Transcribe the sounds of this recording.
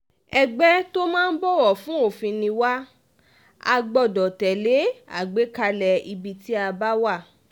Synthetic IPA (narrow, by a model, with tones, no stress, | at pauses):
ɛ˧ɡ͡bɛ˦to˦mãː˦n̩˦bɔ˦wɔ˨fũ˨˦o˦˨fĩ˧nĩ˧wa˦ | a̰˧ɡ͡bɔ˨dɔ˨tɛ˨le˨˦a̰˦˨ɡ͡be˨˦ka˧lɛ˨i˧bi˧ti˦a˧ba˦wa˦˨